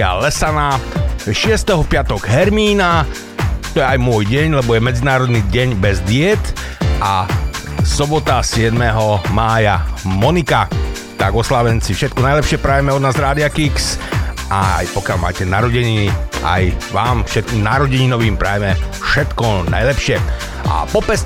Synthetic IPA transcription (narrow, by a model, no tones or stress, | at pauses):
a̰lɛsanaʃɪɛst̪ɛɦɔpɪat̪ɔɡɦɛɾmiːna | t̪ɔjɛajmʊɔjɟɛɲlɛbɔjɛmɛd͡zinaːɾɔd̪niɟɛɲbɛzd̪ɪɛt̪ʔa | sɔbɔt̪asɪɛd̪mɛɦɔmaːjamɔnika | t̪aɡɔslaʋɛnt͡sifʃɛt̪̚kɔnajlɛpʃɪɛpɾaːjɛmɛɔd̪naːzɾaːd̪iakiksʔaa̰jpɔkɪalma̰ːcɛnaɾɔɟɛɲina̰jʋaːmfʃɛt̪̚kiːmnaɾɔɟɛɲinɔʋiːmpɾaːjɛmɛfʃɛt̪kɔna̰jlɛpʃɪɛ | ʔa̰pɔpɛs